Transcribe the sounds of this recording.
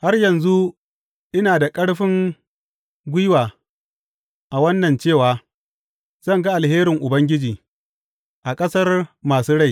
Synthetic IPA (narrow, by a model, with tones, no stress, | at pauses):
ha˦rjɐ˨nzu˦ | ʔɪ˦naː˨da˨kʼɐ˦ɽɸɪ˦ŋ | ɡʷɪ˦jwaː˨ | ʔa˨wɐ˦nːɐ˨nt͡ʃeː˦˨waː˨ | z̥ɐ˦ŋɡa˦ʔa˨lheː˦ɾɪ˨ŋʔʊ˨bɐ˦ŋɡʲɪ˦d͡ʒiː˨ | ʔa˨kʼɐ˦sɐ˦rmaː˨suː˦ɽa˦˨j